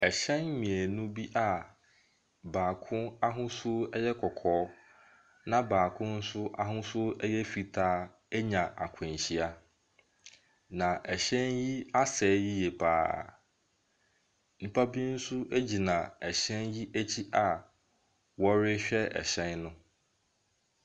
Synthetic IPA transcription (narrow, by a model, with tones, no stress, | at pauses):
ɛ˨ɕɛ̃˦n˦mĩ˨e˨nũ˦bi˦ʔa˨ | baː˨kʰʊ̃˦na˦ɦʊ̃˦sʊ˦ɛ˦jɛ˦kʰɔ˨kʰɔː˨˦ | nã˦baː˨kʰʊ̃˦n̩˦sʊ˦ʔa˦ɦʊ̃˦sʊ˦ʔɛ˦jɛ˦fi˨tʰaː˦ | ɛ˦ɲã˨ʔa̰˨kʷʰʊ̃˨n˨ɕi˦a˦ | nã˨ʔɛ˨ɕɛ̃˦nji˦a˦sɛː˨˦ji˦jɛ˨pʰa̰ː˨˦ | nĩ˨pʰa˦bi˦n̩˦sʊ˦ʔe˦d͡ʑi˨nã˨ɛ˨ɕɛ̃˦nji˦ʔæ˦t͡ɕʰi˦ʔa˨ | wɔ˦ɾɪ˦ɕᶣɛ˦ɛ̰˨ɕɛ̃˦nnʊ̃˦